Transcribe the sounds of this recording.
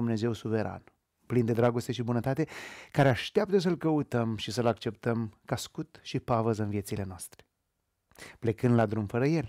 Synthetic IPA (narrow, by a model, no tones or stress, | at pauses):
umne̞ze̞wsuve̞ɾa̰n | plind̪e̞d̪ɾaɡo̞st̪e̞ʃibunət̪at̪e̞kaɾeaʃt̪eap̚t̪əs̬əɨlkəut̪əmʃisəlakt͡ʃe̞p̚t̪əmkaskut̪ʃipavəzɨnvijesile̞noast̪ɾe | ple̞kɨnd̪lad̪ɾumfəɾəje̞l